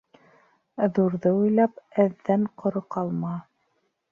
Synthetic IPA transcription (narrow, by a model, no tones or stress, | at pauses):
ðuɾðɤujlˠɑpɘðːæɴqʰŏɾɤqɑlˠmɑ